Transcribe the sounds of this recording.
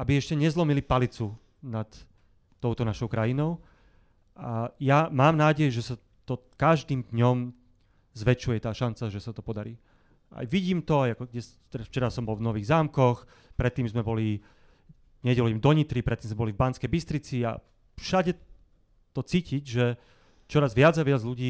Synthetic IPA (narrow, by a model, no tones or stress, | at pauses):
abiɛʃcɛɲɛzlɔmilipalit͡su | nat̪ː | ɔʊt̪ɔnaʃɔʊkɾajinɔʊ | ʔajamaːmnaːɟɛjɛʒɛsa | t̪ɔ | kaʒd̪iːmd̪ɲɔm | zʋɛt͡ʃujɛt̪aːʃant͡saʒɛsat̪ɔpɔd̪aɾiː | ʔa̰jʋiɟiːmt̪ɔajakɔɡɛs | t̪ɛɾaft͡ʃɛɾasɔmbɔlvnɔʋiːɣzaːmkɔx | pɾɛt̪ːiːmzmɛbɔli | ɲɛɟɛlɔimd̪ɔɲit̪ɾipɾɛt̪ːiːmzmɛbɔlivbant͡skɛjbist̪ɾit͡sia̰ | fʃaɟɛ | t̪ɔt͡siːcicʒɛ | t͡ʃɔɾazʋɪad͡zaʋɪad͡zʎuɟiː